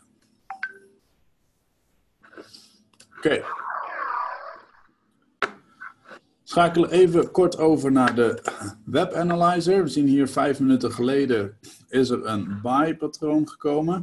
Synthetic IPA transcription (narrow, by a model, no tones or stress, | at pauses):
ke | sχaːkələʔejvəkɔɹtowvəɹnaːɹdəʋɛpɛnalajzəɹʋəzinɦiːɹvɛjfmənytəχəlejdə | ɪsəɹənbajpatrownχəkowmə